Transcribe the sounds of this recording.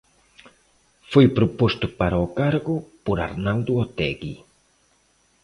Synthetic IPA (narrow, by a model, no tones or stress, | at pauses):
fojpɾopost̪ʊpaɾaokaɾɣʊpoɾa̰ɾnawd̪ʊot̪ɛ̰ɡi